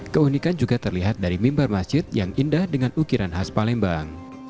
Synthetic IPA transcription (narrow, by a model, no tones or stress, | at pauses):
kəunikand͡ʒuɡat̪ərliɦat̪̚daɾimimbarmasd͡ʒɪt̪̚jaŋindahdəŋanukiɾanɦaspalɛmbaŋ